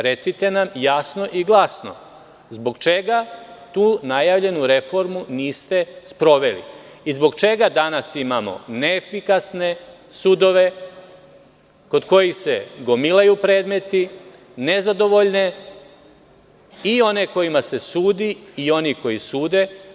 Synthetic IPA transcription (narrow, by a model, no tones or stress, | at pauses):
ɾe̞t̪sit̪e̞namjasno̞ʔiɡlˠasno̞̰ | zbo̞ɡt͡ʃe̞ɡat̪uːnajaʋʎe̞nuɾe̞fo̞ɾmuniːst̪e̞spɾo̞ʋe̞lḭ | izbo̞ɡt͡ʃe̞ɡad̪anasimamo̞̰neefikasne̞ | sud̪o̞ʋe̞ | ko̞d̪ko̞jise̞ɡo̞milajupɾe̞ːd̪me̞t̪i | ne̞zad̪o̞ʋo̞ʎne̞ | io̞ne̞ko̞jimase̞suːd̪iːo̞niko̞jisuːd̪e̞